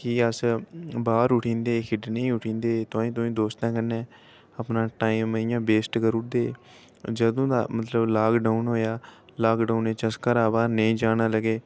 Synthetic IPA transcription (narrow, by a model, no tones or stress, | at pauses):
kɪəsbaːɾʊʈʰĩːnd̪eːkʰɪɖnəĩːʊʈʰĩːnd̪eːt̪ʊãːĩːt̪̬ʊĩːd̪oːst̪ãːkənẽː | əpnãːʈaːiːmːəɪjãːbeːsʈkəɾʊʈ̚d̪eː | d͡ʒəd̪õːd̪a̰ːmət̪ləblaːkɖaːʊnɦoːjaːlaːkɖaːuneːt͡ʃəskəɾaːbaːnəĩːd͡ʒaːnaːləɡeː